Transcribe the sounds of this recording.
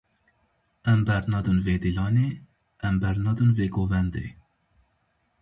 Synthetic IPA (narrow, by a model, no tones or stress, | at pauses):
ɛmbɛɾnɑd̪ɨnveːd̪ilɑːneː | ɛmbɛɾnɑd̪ɨnveːɡoːvɛnd̪ḛː